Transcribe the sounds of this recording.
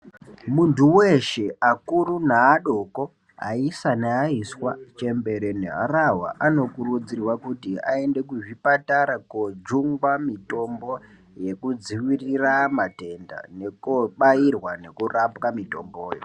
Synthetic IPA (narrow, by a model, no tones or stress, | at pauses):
muntʰuweʃe̞akurunaːɗo̞ko̞ | a̰isaneaiswat͡ʃe̞mbe̞ɾeneɦa̰rawa̰ʔano̞kurud͡zirwakutia̰e̞nde̞kuʐipataɾakod͡ʒuŋɡwamito̞mbo̞ | je̞kud͡ziʋiriramate̞nda̰ne̞koɓairwane̞kurapkamito̞̰mboːjo̰